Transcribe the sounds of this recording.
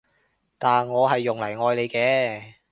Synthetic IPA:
t̪aː˨nŋɔː˨˧ɦɐ˨jːʊ˨ŋlɐ˨˩jŋɔː˧jle˨˧jkɛː˨˧

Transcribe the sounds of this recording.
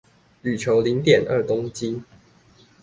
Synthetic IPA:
ly˨˩t͡ɕʰjo˨˦ʊli˨˦ŋt̪jɛ˨˩nʔə˥˨t̪o˥˦ŋt͡ɕi˦

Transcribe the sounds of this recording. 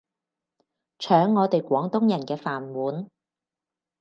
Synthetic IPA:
t͡ʃʰœː˨˥ŋːɔː˨˧t̪e˨jkʷɔː˨˥ŋt̪ʊ˥ŋjɐ˨˩nkɛː˧faː˨˩nwuː˨˥n

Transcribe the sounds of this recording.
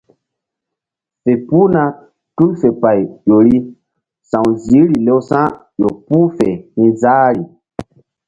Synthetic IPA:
fe˨pu˦na˦ | tu˦lfe˨pa˨jjo˨ɾi˦ | sã˨wzi˨˦ɾi˨le˦wsã˦ | jo˨pu˦fe˨hĩ˦zaː˦ɾi˨

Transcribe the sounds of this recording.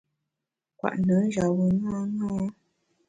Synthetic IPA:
kwa̰˨ʔnə˨˦n˦ʒa˨wə˨ŋa˦ŋãː˦

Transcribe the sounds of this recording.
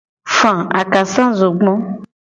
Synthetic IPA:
fã˨a˨ka˨sã˦zo˨ɡ͡bɔ̃˦

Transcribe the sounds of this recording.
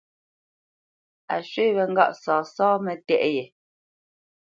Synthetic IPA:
a̰˨ʃɥe˦˨βɛ˨ŋ̩˦ɡa̰˦˨ʔsɔː˨sɔː˦mɛ˨tɛ˦ʔjɛ˨

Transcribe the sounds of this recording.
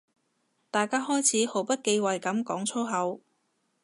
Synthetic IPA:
t̪aː˨jkaː˥ɦɔː˥jt͡sʰiː˨˥ho˨˥wpɐ˥t̚ke˧jwɐ˨jkɐ˨˥mkɔː˨˥ŋt͡sʰo˥wɦɐ˨˥w

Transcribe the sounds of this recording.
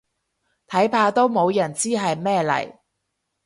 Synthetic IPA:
t̪ʰɐ˨˥jpʰaː˧t̪o˥wmo˨˧wjɐ˨˩nt͡siː˥ɦɐ˨jmɛː˥˧lɐ̰˨˩j

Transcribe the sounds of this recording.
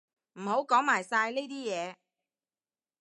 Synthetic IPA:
m̩˨˩ho˨˥wkɔː˨˥ŋmaː˨˩jsaː˧jleː˥t̪iː˥jɛː˨˧

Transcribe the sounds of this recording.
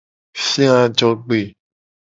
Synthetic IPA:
sĩ˦ã˦˧d͡ʒɔ˦ɡ͡be˨

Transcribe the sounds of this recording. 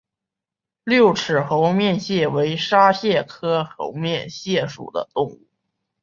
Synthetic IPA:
ljo˥˩ʊʈ͡ʂʰɻ̩˨˩xo˧˥ʊmjɛ˥˧nɕjɛ˥˩we˧˥ɪʂa˥ɕjɛ˥˩kʰɤ˥xo̰˧˥ʊmjɛ˥˧nɕjɛ˥˩ʂṵ˨˩d̪ə̰˦t̪ʊ˥˧ŋu˥˩

